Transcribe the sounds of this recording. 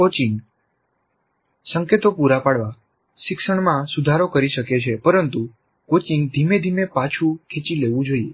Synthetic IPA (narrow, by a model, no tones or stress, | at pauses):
kot͡ʃĩŋɡ | səŋket̪opuɾapaɽʋa | ʃɪkʃəɳmãsud̪ʱaɾokəɾiʃəket͡ʃʰepəɾənt̪u | kot͡ʃiŋɡd̪ʱimed̪ʱimepat͡ʃʰũkʰet͡ʃileʋũd͡ʒoie